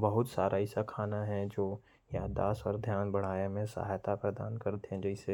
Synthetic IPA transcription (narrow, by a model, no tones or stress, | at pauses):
bɐɦʊt̪saːɾʔaɪsakʰaːnaɦɛ̃d͡ʒoː | jaːd̪a̰ːsɔːɾd̪ʱjaːnbɐɽ̤aːjemẽsa̰ɦajt̪apɾɐd̪aːnkɐɾd̪ɦɛ̃d͡ʒɛɪse